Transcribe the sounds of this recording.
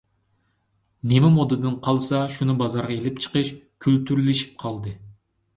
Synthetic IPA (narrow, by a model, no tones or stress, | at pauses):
nemɪmod̪ɨd̪ɨnqʰɑlˠsɑʃunɨbɑzɑɾʁɑelɪp̚t͡ʃʰə̥qəʃ | kʲʰylt̪yɾylɪʃi̥p̚qʰɑlˠd̪ɨ